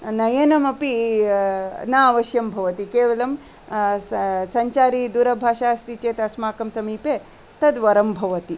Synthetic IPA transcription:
nɐjɐnɐmɐpi | naʋɐʃjɐmbʱɐʋɐt̪ikeːʋɐlɐm | sɐɲt͡ʃaːɾiːd̪uːɾɐbʱaːʃaːst̪it͡ʃeːt̪ɐsmaːkɐmsɐmiːpeː | t̪ɐd̪ʋɐɾɐmbʱɐʋɐt̪i

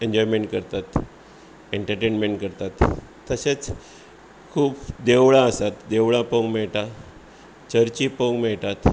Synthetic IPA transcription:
eɲd͡ʑɔjmeɳʈkəɾt̪at̪ | eɳʈəɾʈenmeɳʈ̚kəɾt̪at̪ː | əset͡s | kʰuːpd̪eʋɭãəsat̪d̪eʋɭãpəŋɡmɛɭʈ̪a | t͡ɕəɾt͡ɕipəŋɡmɛɭt̪at̪

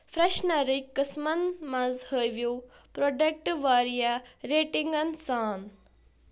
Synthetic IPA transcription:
fɾeʃnɐɾikːəsmɐnmɐ̃zhəjʋjo | pɾoːɖek̚ʈʋaːɾijaɾeːʈiŋɡɐnsaːn

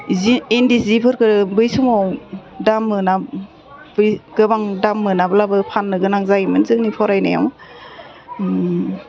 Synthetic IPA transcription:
ziindizipʰɯɾkɯɾbɯjsɯmɔdamːɯna | bɯjɡɯbaŋdamːɯnabɯlabɯpʰanːɯɡɯnaŋzajimɯnzɯŋnipʰɔɾajna̰ja̰m

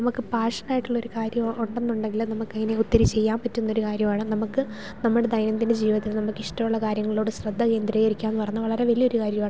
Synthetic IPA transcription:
nɐmukːɨpaːʂɐnaːjiʈːuɭːo̞ɾukaːɾjɐmuɳɖenːuɳɖe̞ŋɡilnɐmukːɐŋːɐne̞ut̪ːɐɾit͡ɕːe̞jːaːmpɐtːunːo̞ɾukaːɾjɐmaːɳɨnɐmukːɨ | nɐmːuɽed̪ɐjnɐt̪̬ːinde̞d͡ʑiːʋɐt̪ilnɐmukːiʂʈɐmuɭːɐkaːɾjɐŋːɐɭo̞ːɽɨɕrɐd̪ʱːɐke̞ːnd̪ɾɐjeiɾikʲːaːenːɨpɐrɐɲːuʋɐɭɐɾeʋɐlijo̞ɾukaːɾjɐmaːɳ

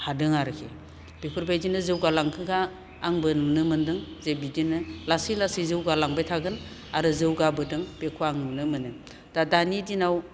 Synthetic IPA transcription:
hadɯŋaɾɯkʰḛ | b̥ipʰɯɾbajdinɯzɯwɡalaŋkʰɯɡaː | ŋbɯnumnɯmɯndɯŋzebidinɯlasilasizɯwɡalaŋbajtʰaɡɯn | aɾɯzɯwɡabɯdɯŋpekʰuaŋnɯmnɯmɯnɯ | d̥adanidinaw

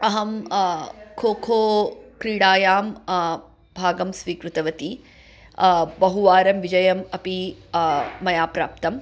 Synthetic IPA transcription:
ɐɦɐm | kʰoːkʰoːkɾiːɽaːjaːm | bʱaːɡɐmsʋiːkɾut̪ɐʋɐt̪i | bɐɦuʋaːɾɐmʋid͡ʒɐjɐmɐpiː | ɐjaːpɾa̰ːp̚t̪ɐm

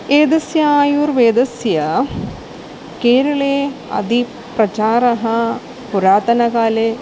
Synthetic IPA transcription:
eːd̪ɐsjɐaːjuːɾʋeːd̪ɐsjɐ | keːɾɐɭeɐ̰d̪ʱi | pɾrɐt͡ʃaːɾɐɦɐ | puɾaːt̪ɐnɐkaːle

